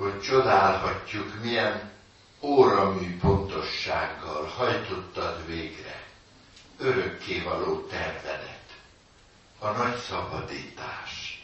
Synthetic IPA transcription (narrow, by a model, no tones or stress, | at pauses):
ho̞ct͡ʃo̞d̪aːlɦɒcːukmijɛn | oːɾɒmyːpo̞nt̪o̞ʃːaːɡːɒlhɒjt̪o̞t̪ːɒk̪veːɡrɛ̰ | øɾø̞kːeːvɒloːt̪ɛrvɛd̪ɛt̪ | ɒnɒcsɒbɒ̰d̪ḭːt̪a̰ːʃ